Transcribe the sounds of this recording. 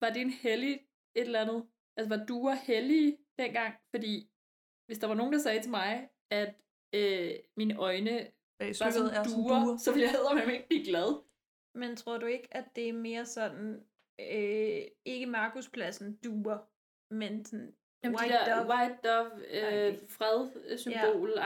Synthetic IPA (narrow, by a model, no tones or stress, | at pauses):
ʋɑ̈d̥enheli | e̝d̥lænð̞̩ˠ | ʔælsɒʋɑ̈d̥uːɐheliːd̥enɡ̥ɑ̈ŋ̰fɒ̽d̥ḭː | ʋe̝sd̥ɑ̈ʋɑ̈no̝ːn̩d̥ɑ̈sɛːt͡sʰe̝mɑ̈ɪ | æd̥ | øminʔɒ̽ɪnə | ɑ̈sduːɐsɒ̽ʋeljaeð̰ˠɐmenme̝ɡ̥əb̥liɡ̥læð̞ˠ | ment͡sʰʁo̝ɐ̰d̥ue̝ɡ̥æd̥e̝æme̝ːɐsɒ̽nn̩ | øe̝ɡ̥əmɑ̈ːkʰuspʰlæsn̩d̥uːɐ | mensɔn | jæmɐ̰wɑɪd̥ɒbøfʁɛðˠsymb̥o̝̰ːl